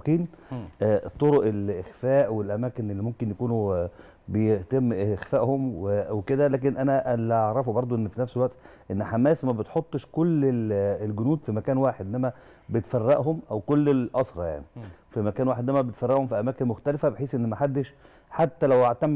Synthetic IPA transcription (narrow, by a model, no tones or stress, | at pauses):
kiːnʔæt̪ˤːoɾoʔelʔexfæːʔwelʔæmæːkenelːimomkenjækuːnu | bejet̪emːʔexfæːʔhomweweked̪ælæːk̬enʔænæʔlæʔaʕɾˤɑfubɑɾˤd̪ˤoʔenːfinæfselwæʔt̪ʔenːħamæːsmæbet̪ħot̪ˤːʃkolːelɡʊnuːd̪fimækæːnwaːħed̪ʔenːæmæ | bet̪færːɑʔɦomʔæwkolːelʔɑsˤɾˤɑja̰ʕnifimækæːnwaːħed̪næmæbet̪færˤːɑʔhomfiʔæmæːkenmoxt̪ælefæbeħiːsʔenːmæħad̪ːeʃ | ħat̪ːælæwʔaʕt̪æmː